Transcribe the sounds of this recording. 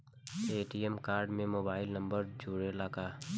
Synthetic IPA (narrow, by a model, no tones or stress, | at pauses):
eːʈiɛmkaːɾɖmẽmoːbaːɪlnɐ̃mbəɾd͡ʒʱuːɽelaːkaː